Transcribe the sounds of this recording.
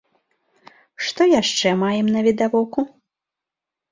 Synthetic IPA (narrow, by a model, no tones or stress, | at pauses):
ʂt̪ɔjaʂt͡ʂɛmajɛmnɐvʲid̪avɔku